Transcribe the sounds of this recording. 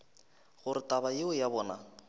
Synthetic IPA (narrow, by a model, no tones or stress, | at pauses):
ɣʊɾɪtabajeʊjabɔːna